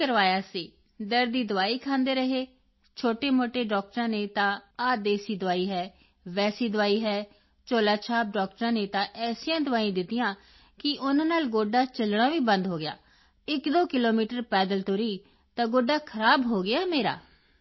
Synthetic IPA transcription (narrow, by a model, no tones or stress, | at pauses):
əɾʋaːjaːsiː | d̪əɾd̪iːd̪ʊʋaːiːkʰãːnd̪eːɾəɦeː | t͡ʃʰoːʈeːmoːʈeːɖɔːk̚ʈɾãːneːt̪ãːaːd̪eːsiːd̪ʊʋaːiːɦɛː | ʋɛːsiːd̪ʊʋaːiːɦɛː | t͡ʃoːlaːt͡ʃʰaːp̚ɖɔːk̚ʈɾãːneːt̪ãːʔɛːsɪjãːd̪ʊʋaːĩːd̪ɪt̪ːɪjãː | kɪʔʊnãːnaːlɡoːɖaːt͡ʃəlɽ̃ãːʋiːbənd̪ɦoːɡɪja̰ː | ɪkd̪oːkɪloːmiːʈəɾpɛːd̪əlt̪ʊɾiː | t̪ãːɡoːɖaːkʰəɾaːbɦoːɡɪjaːmeːɾa̰ː